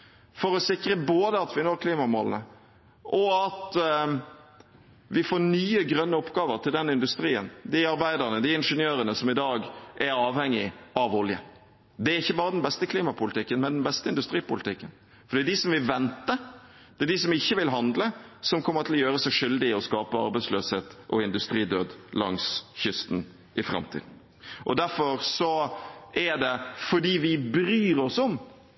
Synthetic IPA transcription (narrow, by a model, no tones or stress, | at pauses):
fɔɾɔsɪkɾəboːd̪əɑt̪ʋɪnoːkʰliːmɑmɔlnə | ʔɔɑt̪ | ʋɪfoːnyːəɡɾœnːəɔpːɡɑːʋəɾt̪ʰɪld̪ɛnːɪnd̪ʉst̪ɾiːə̰nd̪ɪɑɾbæɪd̪əʁnəd̪ɪɪnʂənjøːɾənəsɔmɪd̪ɑːɡɛɾɑːʋhɛŋːɪɑʋɔljə̰ | d̪ɛæɾɪçːəbɑːɾəd̪ɛnbɛst̪əkʰliːmɑpʊlɪt̪ɪkːənmɛnd̪ɛnbɛst̪əɪnd̪ʉst̪ɾiːpʊlɪt̪ʰɪkːən | fɔd̪iːd̪ɪsɔmʋɪlʋɛnt̪ə | d̪̥ɛd̪ɪs̬ɔmɪçːəʋɪlɦɑnd̪ləsɔmkʰɔmːət̪ʰɪlɔjøːɾəsɛʂʏld̪ɪɔskɑːpəɑ̰ɾbæɪsløːsheːt̪ʔɔɪnd̪ʉst̪ɾiːd̪øːd̪lɑŋsçʏst̪n̩ | ʔɪfɾɑ̰mt̪ʰḭd̪n̩ | ʔɔd̪æɾfɔɾsɔɛɖ̪ɛfɔɖiːʋɪbɾyːɾɔsɔm